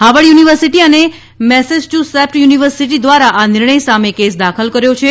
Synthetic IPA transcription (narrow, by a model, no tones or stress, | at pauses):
ɦaʋəɭjuniʋəɾsiʈiəne | mɛsed͡ʒʈusɛp̚ʈjuniʋəɾsiʈ̬id̪ʋaɾaʔanɪɾɳəjsamekesd̪akʰəlkəɾjot͡ʃʰe